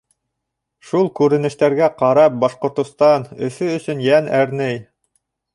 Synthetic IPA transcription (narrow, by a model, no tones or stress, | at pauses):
ʃulˠkʉɾɘ̆nɘ̆ʃt̪æɾɡæqɑɾɑp̚bɑʃqŏɾt̪ŏst̪ɑnɵ̆fɵɵ̆sɵnjænæɾnɘj